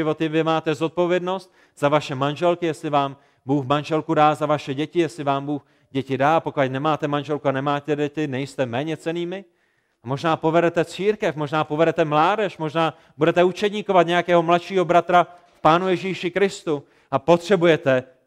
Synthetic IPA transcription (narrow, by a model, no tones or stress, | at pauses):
ɪvo̞t̪ɪvɪmaːt̪ɛzo̞t̪̚po̞vjɛdno̞st̪̚ | z̥avaʃɛmanʒɛlkɪjɛslɪvaːm | buːxmanʒɛlkudaːzavaʃɛɟɛcɪjɛslɪvaːmbuːx | ɟɛcɪdaːpokajnɛmaːt̪ɛmanʒɛlkuanɛmaːt̪ɛdɛt̪ɪnɛjst̪ɛmɛːɲɛt͡sɛniːmɪ | mo̞ʒnaːpo̞vɛɾɛt̪ɛt͡siːɾkɛfmo̞ʒnaːpo̞vɛɾɛt̪ɛmlaːdɛʃmo̞ʒnaː | budɛt̪ɛut͡ʃɛdɲɪkovat̪ɲɛjakɛːɦo̞mlat̪ʃiːɦobɾat̪ɾa | fpaːnujɛʒiːʃɪkɾɪst̪u | ʔapo̞t̪r̝̥ɛbujɛt̪ɛ